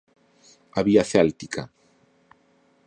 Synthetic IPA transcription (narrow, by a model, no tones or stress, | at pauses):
aβiaθɛlt̪ikʰa̰